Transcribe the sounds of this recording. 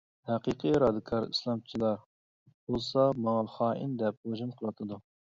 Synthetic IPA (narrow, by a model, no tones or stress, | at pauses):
hæqiqʰiɾɑd̪ɨkʰɑɾḭslˠɑmt͡ʃʰilˠɑɾ | b̥olˠsɑmɑŋɑχɑːʔḭnd̪ɛp̚oʒumqʰəlˠɑt̪ʰɨd̪u